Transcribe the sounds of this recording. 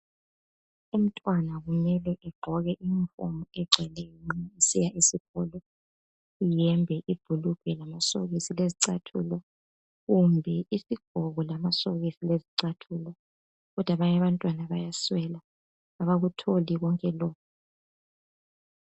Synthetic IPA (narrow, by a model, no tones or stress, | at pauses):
um̩tʼwanaɣumɛlɛʔɛɡ͡ǃʱɔɣɛʔiɱfo̰mɔɛɡ͡ǀʱɛlɛjɔŋ͡ǀiɲɛisijaʔisiɣɔlɔ | ijɛmbʱɛʔib̥ʱuluɡ̥ʱɛlamaso̰ɣisileziǀatʰṵlɔ | ɣumbʱɛisiɡ̥ʱɔɣɔlamasoɣisileziǀatʰulɔ | ɣɔd̥ʱwaβaɲaβantʼwanaβajaswɛla | aβaɣutʰoliɣɔŋkʼɛlɔːkʰɔ